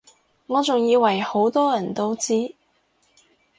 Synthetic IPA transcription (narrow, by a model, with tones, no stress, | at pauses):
ŋɔː˨˧t͡sʊ˨˩ŋjiː˨˧wɐ˨˩jho˨˥wt̪ɔː˥jɐ˨˩nt̪o˥wt͡siː˥